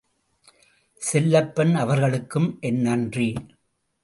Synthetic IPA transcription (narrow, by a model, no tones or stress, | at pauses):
sɛlːɐpːɛnɐʋɐɾɣɐɭɯkːɯmʔɛnːɐndri